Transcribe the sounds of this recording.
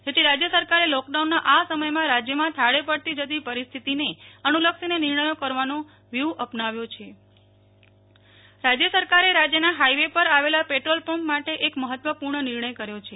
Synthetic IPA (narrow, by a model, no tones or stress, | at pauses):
d͡ʒet̪ʰiɾad͡ʒjəsəɾkaɾelɔkɖaunːãʔasəməjmãɾad͡ʒjəmãt̪ʰaɽepəɽt̪id͡ʒəd̪ipəɾist̪ʰit̪ineənuləksinenɪɾɳəjokəɾʋano | ʋjuwʔəpnaʋjot͡ʃʰe | ɾad͡ʒjəsəɾkaɾeɾad͡ʒjənaɦaiʋepəɾaʋelapeʈɾolpommaʈeʔekməɦət̪ʋəpuɾɳənɪɾɳəjkəɾjot͡ʃʰe